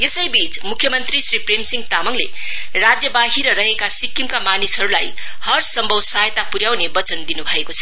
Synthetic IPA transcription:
jesʌjbit͡smukʰjʌmʌnt̪risripremsiŋɡt̪amʌŋlḛ | rad͡zjʌbaɦiɾʌɾʌɦekasikːimkamanisɦʌɾulaj | hʌrsʌmbʱʌwsajt̪apuɾjawnebʌt͡sʌnd̪inubʱʌekot͡sʰʌ̥

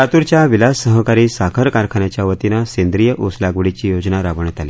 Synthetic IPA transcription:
at̪uɾt͡ɕjaʋilassəɦəkaɾiːsakʰəɾkaɾkʰanjat͡ɕjaʋət̪inasend̪ɾijəʔuslaɡʋɽit͡ɕiːjod͡znaɾaʋəɳet̪ali

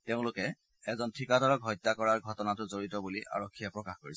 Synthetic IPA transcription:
teʊ̃lʊkɛ | ɛzɔntʰikadɔɹɔkɦɔjtːakɔɹaɹɡʱɔtɔnatʊzoɹitɔbuliʔa̰ɹɔkʰːijɛpɹɔkaxkoɹis

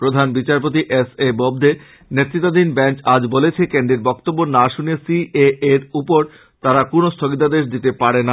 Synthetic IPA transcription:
pɾod̪ʱanbit͡ɕaɾp̬ot̪̬iʔesebobd̪e | net̪ːɾit̪ːad̪inbɛnt͡ɕad͡ʑbolet͡ɕʰekeɳɖeɾbɔkt̪obːonaʃunesieeɾupoɾ | t̪aɾakonost̪ʰoɡit̪ad̪eʃ̬d̪it̪epaɾena

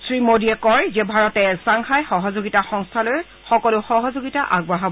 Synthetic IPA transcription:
sɹimodiɛkɔɹzɛbʱaɹɔtɛsaŋxajxɔɦɔzoɡitaxɔŋstʰalɔj | xɔkɔlʊxɔɦɔzoɡitaʔa̰ɡbɹaɦab

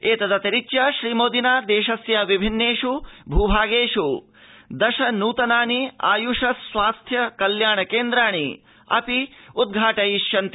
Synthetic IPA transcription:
eːt̪ɐd̪ɐt̪ɐɾit͡ʃjɐʃɾiːmoːd̪inaːd̪eːʃɐsjɐʋibʱinːeːʃubʱuːbʱaːɡeːʂu | d̪ɐʃɐnuːt̪ɐnaːnia̰ːjuʂɐsʋaːst̪ʰjɐkɐljaːɳɐkeːnd̪ɾaːɳḭ | ɐ̰piud̪̚ɡʱaːʈɐjiʃjɐnt̪

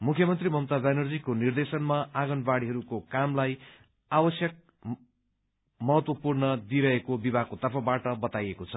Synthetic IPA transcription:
mukʰjʌmʌnt̪rimʌmt̪ad͡zajnʌrd͡zikonird̪esʌnmaaɡʌnbaɽiɦʌɾukokamlaj | abʌsjʌk̚ | mʌɦʌt̪wʌpurnʌd̪iɾʌɦekobibʱaɡkot̪ʌrpʰʌbaʈʌbʌt̪ajekot͡sʰʌ

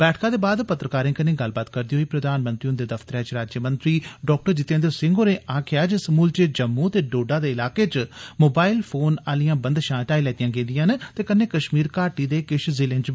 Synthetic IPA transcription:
b̥ɛːʈʰkãːd̪eːbaːd̪pət̪ːɾəkaːɾẽːkəneːɡəlbaːt̪kəɾd̪iɦoiːpɾəd̪aːnmənt̪ɾiːõnd̪eːd̪əft̪əɾɛːt͡ʃɾaːd͡ʒjəmənt̪ɾiːɖɔːk̚ʈəɾd͡ʒɪt̪ːẽːnd̪əsɪ̃ŋɡoːnẽːʔaːkʰjaːd͡ʒəsəmuːlt͡ʃed͡ʒəmːũːt̪eːɖoːɖaːd̪eːɪlaːkeːt͡ʃmoːbaːɪlpʰoːnaːlijãːbənd̪ʃãːʈaːiːlɛːt̪ijãːɡẽːd̪ijãːnt̪eːkənːeːkəʃmiːɾkaːɾʈiːd̪eːkɪʃzɪlẽnt͡ʃ

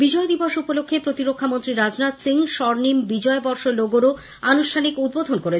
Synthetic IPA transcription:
bid͡ʑɔed̪iboʃupolokʰːepɾot̪iɾokʰːamont̪ɾiɾad͡ʑnat̪siŋʃɔɾnimbid͡ʑɔebɔɾʃoloɡoɾo | anuʃʈʰanikud̪̚bod̪ʱonkoɾe

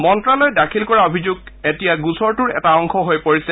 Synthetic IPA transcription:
mɔntɹalojdakʰilkɔɹaobʱizuɡ̚etijaɡusɔɹtʊɹɛ̰taɔŋkʰɔɦojpoɹisɛ

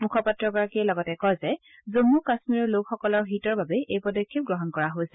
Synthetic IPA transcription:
mukʰɔpatɹɔɹɡɔɹakiɛlɔɡɔtɛkɔjzɛ | zomukasmiɹɔɹlokxɔkɔlɔɹɦitɔɹbabɛʔejpɔdɔkʰːip̚ɡɹɔɦɔnkɔɹaɦojsɛ

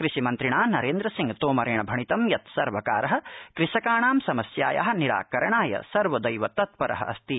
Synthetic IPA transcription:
kɾiʃimɐnt̪ɾiɳaːnɐɾeːnd̪ɾɐsiŋɡt̪oːmɐɾɐjɳɐbʱɐɳit̪ɐmjɐt̪sɐɾʋɐkaːɾɐɦɐ̆kɾiʃɐkaːɳaːmsɐmɐsja̰ːja̰ɦɐ̆niɾa̰ːkɐɾɐɳaːjɐ̰sɐɾʋɐd̪ɐjʋɐt̪ɐt̪̚pɐɾʔɐ̰ɦɐ̰ʔɐst̪i

